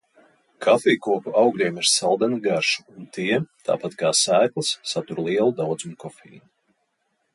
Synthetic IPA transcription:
kʰafiːkuɔpuʔawɡlʲiɛmiɾsalˠd̪ɛniɡaɾʃu̥unt̪ʰiɛt̪a̰ːpat̪kaːsæːk̪lˠsːat̪uɾlˠiɛlˠud̪awd̪zumkɔfḭːni

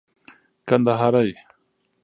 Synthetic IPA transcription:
kand̪aɦaɾaj

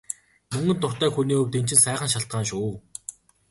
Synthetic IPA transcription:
mɵŋɡɵ̆nt̪ʊr̥t̪æːxuniːɵwt̪en̥t͡ɕɪ̆nsæːχə̆nʃaɬt̪̚ɢaːnʃuː

